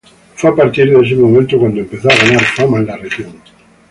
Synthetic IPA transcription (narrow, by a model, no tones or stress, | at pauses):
fapaɾt̪iɾðes̬emomẽnt̪okwand̪oempeθoaɣanaɾfamallarexjoŋ